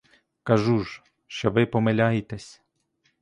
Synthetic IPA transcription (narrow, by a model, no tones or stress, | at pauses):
kɐʒu | ʃt͡ʃɔʋɪpɔmelʲɑjɪt̪ɛsʲ